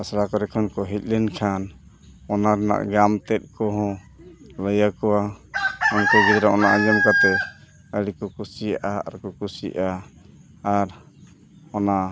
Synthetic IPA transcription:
asɾakɔɾɛkʰɔnkɔɦit̪̚ˀlɛnkʰan | ɔnaɾɛna̰ʔɡamt̪ɛt̪̚ˀkɔɦɔ̃ | ləjakɔwa | ɔnkɔɡid̪ɾaʔɔnaʔad͡ʒɔmkat̪ɛ | əɽikɔkusijaʔaa̰ɾkɔkusiʔaː | ɾ | ɔna

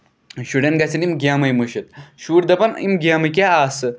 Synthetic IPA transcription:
ɕuɖɐnɡɐsinimɡʲaːmɐjmuɕit̪ʃuːɾd̪ɐpɐnḭmɡʲaːmɐkʲeaːsɨ

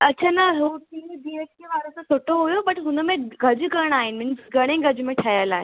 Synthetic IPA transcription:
ɐtːt͡ɕʰaːnɐɦut̪iːbieʈ̚keʋaːɾosãsoːʈoɦujobɐʈɦʊnmẽɡʱɐd͡ʑkəɽ̃aːɦɪnɪ̆mɪnsɡɐɽ̃ẽɡʱɐd͡ʑmẽʈʰɐjəlaːɦe

